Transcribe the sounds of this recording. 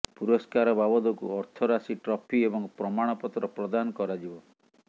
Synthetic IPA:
puɾɔskaɾɔbabɔd̪ɔkuɔɾt̪ʰɔɾasiʈɾɔpʰiebɔŋpɾɔmaɽ̃ɔpɔt̪ɾɔpɾɔd̪anɔkɔɾad͡ʒibɔ

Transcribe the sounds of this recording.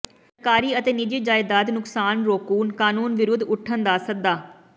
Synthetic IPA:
səkaːɾiːət̪eːnɪd͡ʒid͡ʒaːɪd̪aːd̪nʊksaːnɾoːkuːnkaːnuːnʋɪɾʊd̪ʊʈʰːənd̪aːsək̚d̪aː

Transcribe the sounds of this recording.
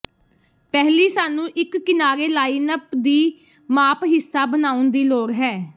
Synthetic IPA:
pɛɦliːsaːnũːʔɪkːɪnaːɾeːlaːiːnəpd̪iː | maːpɦɪsːaːbənaːʊnd̪iːloːɾɦɛː

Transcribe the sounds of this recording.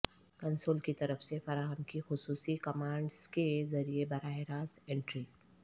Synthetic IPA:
kɐ̃nsoːlkit̪ɐɾəfsefɐɾaːɦəmkixʊsuːsikɐmãːɳɖz̥kezɐɾiebɐɾaːɦɪɾaːsẽːɳʈɾi

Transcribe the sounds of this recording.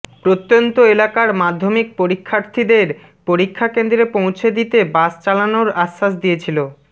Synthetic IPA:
pɾot̪ːjont̪oelakaɾmad̪ʱːomik̚poɾikʰːaɾt̪ʰid̪eɾ | poɾikʰːakend̪ɾepõw̃t͡ɕʰed̪it̪ebast͡ɕalanoɾaʃːasd̪ijet͡ɕʰilo

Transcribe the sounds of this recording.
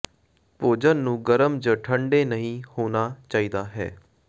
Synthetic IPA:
poːd͡ʒənːũːɡəɾəmd͡ʒəʈʰəɳɖeːnəɦĩːhoːnaːt͡ʃaːiːd̪aːɦɛ̰ː

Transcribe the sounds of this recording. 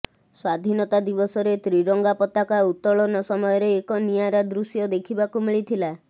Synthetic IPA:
swad̪ʱinɔt̪ad̪ibɔsɔɾet̪ɾiɾɔŋɡapɔt̪akaut̪ːɔɭɔnɔsɔmɔjɔɾeːkɔnijaɾad̪ɾusjɔd̪ekʰibakumiɭit̪ʰila

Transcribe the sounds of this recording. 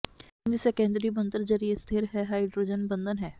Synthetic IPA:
nd̪isekẽːnd̪ɾibə̃nd̪əɾzəɾiest̪ʰeɾɦɛɦaːiɖɾod͡ʒənbə̃nd̪ʱənɦɛː

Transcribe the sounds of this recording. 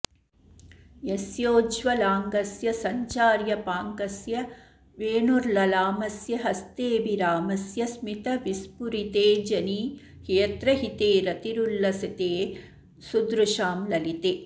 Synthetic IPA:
jesjoːd͡ʒʋɐlaːŋɡɐsjɐsɐɲt͡ʃaːɾjɐpaːŋkɐsjɐ | ʋeːnuɾlɐlaːmɐsjɐɦɐst̪eːʋiɾaːmɐsjɐsmit̪ɐʋispuɾit̪eːd͡ʒɐni | keːt̪ɾɐɦit̪eːɾɐt̪iɾulːɐsit̪eː | sud̪ɾuʃaːmlɐlit̪e

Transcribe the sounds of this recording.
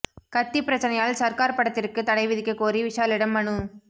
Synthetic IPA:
kɐt̪ːipːɪɾɐt͡ʃːɐnɐjaːlsɐɾkaːɾpːɐɽɐt̪ːɪrkɯt̪ɐɽɐɪʋɪðɪkːɐkːoːriʋɪʂaːlɪɽɐmːɐɳɯ

